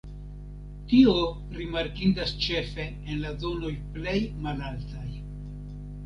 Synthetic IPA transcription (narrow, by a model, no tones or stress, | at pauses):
tio̞ | ɾimaɾkindast͡ʃe̞fe̞ːnlazo̞no̞jple̞jmalaltaj